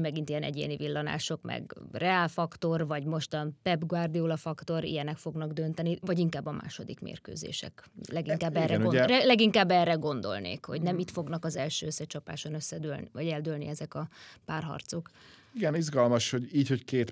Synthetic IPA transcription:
mɛɡint̪ijɛnɛ̰ɟḛːnivilːɒna̰ːʃo̞kmɛ̰ɡrɛaːlfɒkt̪o̞rvɒɟmo̞ʃt̪ɒnpɛbɡʋard̪ioːlɒfɒkt̪o̞ɾḭjɛnɛkfo̞ɡnɒɡd̪ø̞nt̪ɛnivɒɟiŋkaːbːɒmʔa̰ːʃo̞d̪ikmḛːrkø̰ːzḛːʃɛ̰klɛɡiŋkaːbːɛrɛoɛlɛɡiŋkaːbːɛrːɛɡo̞nd̪o̞̰lnḛːkho̞̰ɟnɛmit̪fo̞ɡnɒkɒzɛlʃøːøsːɛt͡ʃɒpa̰ːʃo̞nøsːɛd̪ølnivɒɟɛld̪ølnḭɛzɛkɒpaːrɦɒ̰rt̪so̞kiɡɛnizɡɒlmɒʃho̞ɟiːcho̞ckeːt̪

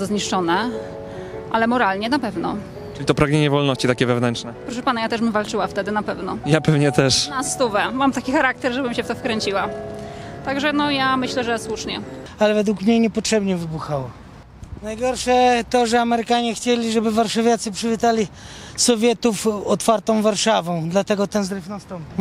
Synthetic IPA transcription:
azɔzɲiʂt͡ʂɔnɛ | ʔalɛmɔɾalɲɛnapɛvnɔ | ʈ͡ʂɨlʲit̪ɔpɾaɡɲeɲɛvɔlnɔɕt͡ɕit̪akʲɛvɛvnɛnt͡ʂnɛpɾɔʂɛpanajat̪ɛʂmvalt͡ʂɘwaft̪ɛd̪ɘnapɛvnɔjapɛvɲɛt̪ɛʂnast̪uvɛmamt̪akʲixaɾak̚t̪ɛɾʐɛbɘmɕɛft̪ɔfkɾɛɲt͡ɕiwa | t̪aɡʐɛnɔjamɘɕlɛʐɛswuʂɲɛalɛvɛd̪wukmɲejɲɛpɔtʂɛbɲɛvɘbuxawɔ | najɡɔɾʂɛt̪ɔʐɛamɛɾɘkaɲɛxt͡ɕelʲiʐɛbɘvaɾʂavʲjat̪sɘpʂɘvʲit̪alʲi | sɔvʲjɛt̪ufɔt̪faɾt̪ɔ̃w̃vaɾʂavɔ̃w̃d̪lat̪ɛɡɔt̪ɛnzɾɘfnast̪ɔ̃mpʲiw

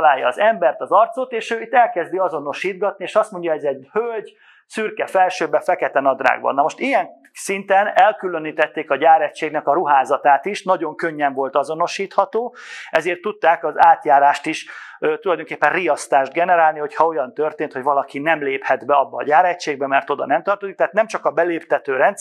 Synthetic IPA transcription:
laːjːɒːzɛmbɛrt̪ɒzɒrt̪sot̪eːʃøːit̪ːɛlkɛzd̪iɒzo̞no̞ʃiːd̪̚ɡɒt̪̚nieːʃɒst̪moɲɟɒɛzɛɟhølɟ | syrkɛfɛlʃøːbɛfɛkɛt̪ɛnɒd̪ra̰ːɡ̚bɒ̰nːɒmo̞ʃt̪ijɛn | sint̪ɛnɛlkyløniːt̪ɛt̪ːeːkɒɟaːɾɛt͡ʃːeːɡnɛkɒɾuɦaːzɒt̪aːt̪iʃnɒɟo̞ŋkøɲːɛɱvo̞lt̪ɒzo̞no̞ʃiːt̪hɒt̪oːɛzeːrt̪ːut̪ːaːkɒzaːt̪jaːɾaːʃt̪iʃt̪ulɒjd̪oŋkeːpːɛnrijɒst̪aːʒd̪ɡɛnɛɾaːlniho̞chɒo̞jɒnt̪ørt̪eːnt̪hoɟvɒlɒkinɛmleːphɛd̪bɛɒbːɒːɟaːɾɛct͡ʃeːɡbɛmɛrt̪o̞d̪ɒ̰nɛmt̪ɒrt̪o̞zikt̪aɦːt̪nɛmt͡ʃɒkɒbɛleːpt̪ɛt̪øːɾɛnt̪s

